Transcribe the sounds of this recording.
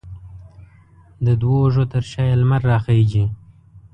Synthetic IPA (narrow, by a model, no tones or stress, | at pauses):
d̪əd̪woʐot̪əɾʃɑjalmaɾːɑxed͡ʒi